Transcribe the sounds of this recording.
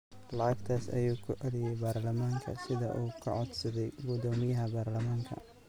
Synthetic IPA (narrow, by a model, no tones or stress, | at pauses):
lɐʕɑɡt̪ʰaːsɐ̰juːkʰʊʔɛlɪjɛjbaːrlɐmaːŋkʰɐ̰sɪðɐ̰ʔuːkʰɐ̰ʕɔd̪sɐðɛjɡʊd̪ɔːmɪjɐɦɐbaːrlɐmaːŋkʰɐ̰